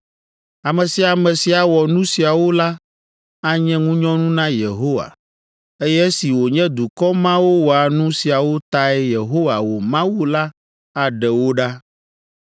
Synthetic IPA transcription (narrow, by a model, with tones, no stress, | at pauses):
a˨mɛ̃˨si˨a˨mɛ̃˨si˨a˨wɔ˨nũ˦si˨a˨wo˦la˦ | a˦ɲɛ̃˦ŋũ˦ɲɔ̃˦nũ˦nã˦je˨ɦo˦wa̰˨ | e˦jɛ˦si˨wo˨ɲɛ̃˦d̪u˨kɔ˦mã˦wo˦wo˨a˨nũ˦si˨a˨wo˦t̪a˦ɛ˦je˨ɦo˦wa˨wo˨mã˦wu˦la˦ | a˨ɖɛ˨wo˦ɖa˦